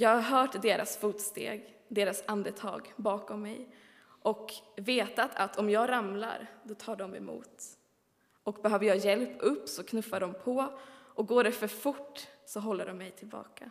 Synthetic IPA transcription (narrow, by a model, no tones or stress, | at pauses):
jɑːɡhaɾɦœːʈd̪eːɾa̰sfuːt̪st̪ḛːɡ | d̪eːɾasand̪ət̪ʰɑ̰ːɡbɑːkɔmːɛ̰j | ʔɔkveːt̪at̪ʰat̪ʰɔmjɑːɡɾamla̰ɾd̪ɔt̪ʰɑːɖɔmɛ̰mṵːt̪ | ɔkbɛɦœːvəjɑːɡjɛlpɵpːsɔkʰnɵfːaɖɔmpʰɔʔɔk̚ɡoːɖɛfœɾfʊʈːsɔɦɔlːəɖɔmːɛjt̪ʰɪlbɑ̰ːkʰa̰